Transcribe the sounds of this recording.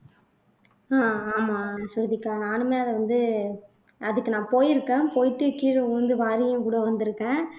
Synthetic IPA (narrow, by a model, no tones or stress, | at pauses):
aːaːmaːsʊɾðɪkːaːnaːnɯmeːɐlɐʋɐnd̪ɯ | ɐðɯkːɯnãːpoːjɪɾɯkːẽːpoːjʈ̪ːɯkiːɾɯɐnd̪ɯʋaːɾɪjʊ̃kuːɽɐʋɐnd̪ɯɾɯkːẽː